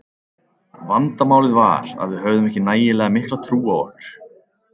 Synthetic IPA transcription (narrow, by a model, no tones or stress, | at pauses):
vant̪amaːwlɪðva̰ɾ̥a̰ðvɪðɦœɥðʏmɛhcɪnaːjɪlɛːɣamɪhklat̪ʰɾuːawɔ̰ɾ̥